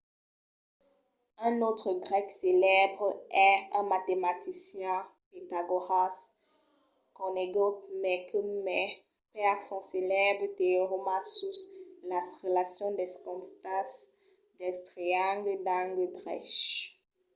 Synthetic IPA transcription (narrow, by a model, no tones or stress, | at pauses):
ɛ̃not̪χəɡʁɛkselɛbʁɛɛ̃mat̪emat̪isjɛ̃pet̪aɡoʁas | kɔ̃neɡot̪mɛkəmɛ | pɛʁsɔ̃selɛbʁət̪eʁomãsuslasʁelasjɔ̃d̪ɛskɔ̃t̪as | d̪ɛst̪ʁiãŋɡəd̪ãŋɡəd̪ʁɛ̰ʃ